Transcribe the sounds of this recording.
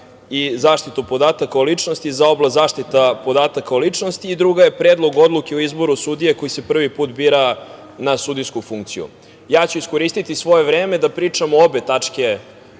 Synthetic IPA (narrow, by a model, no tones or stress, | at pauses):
izaːʃt̪it̪upo̞d̪aːt̪akaolit͡ʂnost̪izao̞blazaːʃt̪it̪apo̞d̪aːt̪akaolit͡ʂnost̪iːd̪ɾuɡaje̞pɾeːd̪lˠo̞ɡo̞d̪lˠukeuizbo̞ɾusud̪ije̞ko̞jise̞pr̩ʋipuːt̪biːɾa | nasud̪iskufuŋkt̪sijṵ | jaːt͡ɕuisko̞ɾiːst̪it̪isʋo̞je̞vɾeːme̞d̪apɾiːt͡ʂamoobe̞t̪at͡ʂke̞